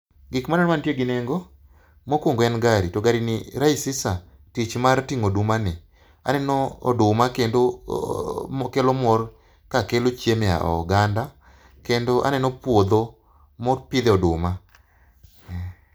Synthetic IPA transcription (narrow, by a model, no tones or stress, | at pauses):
ɡɪkmananmantjeɡɪneŋɡo | mokwoŋɡwɛnɡaɾitoɡaɾinɪɾaisɪsa | tit͡ʃmartiŋodumanɛ | a̰nɛnɔ̰ːdʊmakendo | kelomɔr | kakelot͡ʃjemɛa̰ʔɔ̰ɡanda | kendoʔa̰nɛnopwod̪o | mopid̪eɔdʊma